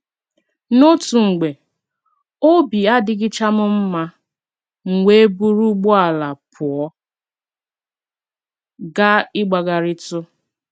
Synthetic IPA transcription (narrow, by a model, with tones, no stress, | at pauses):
no˦tu˨ŋ̩˨ɡ͡be˨ | o˦bi˨a˦dɪ˦ɡɪ˦t͡ʃa˦mʊ˦m̩˦ma˦ | ŋ̩˨ŋʷe˦e˦bu˦ɾu˦ɡ͡bɔ˦a˨la˨pʰʊ˨ɔ˦ | ɡa˦ɪ˦ɡ͡ba˨ɡa˨ɾɪ˦tʊ˦